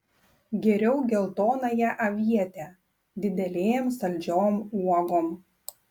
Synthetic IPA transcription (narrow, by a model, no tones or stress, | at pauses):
ɡʲɛɾʲɛʊɡʲɛlˠt̪oːnɐjɛʔɐʋʲiɛt̪ʲɛ | d̪ʲɪd̪ʲɛlʲeːɛmsɐlʲd͡ʒʲoːmuɔɡoːm